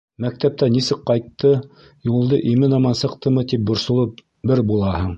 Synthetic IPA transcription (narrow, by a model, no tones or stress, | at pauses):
mæk̚t̪æp̚t̪ænisɘkqːɑjt̪ːɤ | julˠd̪ɤʔimɘnɑmɑnsɤ̆qt̪ɤmɤt̪ip̚bŏɾsŏlˠɤp̚ | bɘɾbulˠɑhɤɴ